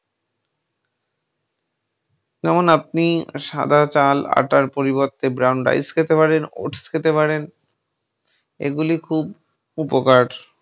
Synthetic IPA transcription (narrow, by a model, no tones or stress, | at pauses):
d͡ʑɛmonap̚niʃa̰d̪ʱat͡ɕala̰ʈaɾpoɾiboɾt̪ːebɾawnɖɾa̰jskʰet̪epaɾeno̰ʈskʰet̪epaɾen | ḛɡulikʰub | upokaʈ